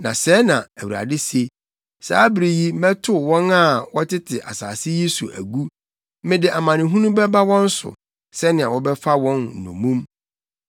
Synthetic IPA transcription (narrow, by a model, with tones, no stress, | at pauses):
nã̰˨sɛ˦nã˨æ˨wu˨ɾa̰˨dɪ˦se˦ | sa̰ː˦bɾi˨ji˦mɛ̃˦tʰʊ˦˨wɔ̃˦na˦˨wɔ˦tʰɪ˦tʰɪ˨ʔa̰˨saː˨sɪ˦ji˦sṵ˨ʔæ̰˨ɡu˦ | mɪ̃˦dɪ˨ʔa˨mã˨nɪ̃˨ɦũ˦nũ˦bɛ˦ba˦wɔ̃˦n̩˦sʊ̰˨ | sɛ˦nɪ̃˨a˨wɔ˦bɛ˦fa˦wɔ̃˦n̩˨nṵ̃˨mũ˦m